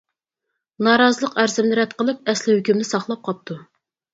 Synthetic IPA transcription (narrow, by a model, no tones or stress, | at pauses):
nɑːɾɑzəlˠəqæɾzɪmnɪɾɛt̪̚qʰəlˠɨk̚ʲɛslɪhøkʲymnɪsɑχlˠɑp̚qʰɑp̚t̪ʰu